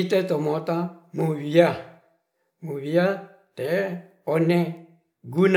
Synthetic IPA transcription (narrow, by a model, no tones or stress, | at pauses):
itɛtɔmɔtamuβia | muβia | tɛ | ɔnɛ | ɡun